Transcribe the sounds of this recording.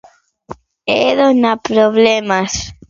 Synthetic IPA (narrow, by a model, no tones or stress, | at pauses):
eðonapɾoβlemas